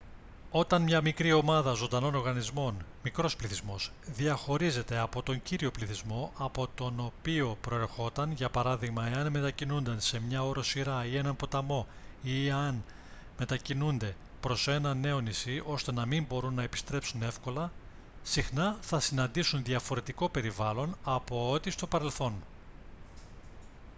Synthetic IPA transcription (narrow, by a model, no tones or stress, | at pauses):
o̞t̪ɐnmɲɐmikɾio̞mɐðɐzo̞nd̪ɐno̞no̞ɾɣɐnizmo̞nmikɾo̞spliθizmo̞z̥ðiɐxo̞ɾize̞t̪e̞ɐpo̞t̪o̞ɲɟiɾio̞pliθizmo̞ʔɐpo̞t̪o̞no̞pio̞pɾo̞e̞ɾxo̞t̪ɐnʝɐpɐɾɐðiɣmɐeɐnme̞t̪ɐcinund̪ɐnse̞mɲɐo̞ɾo̞siɾɐie̞nɐmpo̞t̪ɐmo̞ | iɐn | me̞t̪ɐcinund̪e̞ | pɾo̞se̞nɐne̞o̞nisio̞st̪e̞nɐmimbo̞ɾunːɐe̞pi̥st̪ɾe̞psune̞fko̞lɐ | sixnɐθɐsinɐnd̪isunðiɐfo̞ɾe̞t̪iko̞pe̞ɾivɐlo̞nɐpo̞ot̪ist̪o̞pɐɾe̞lθo̞n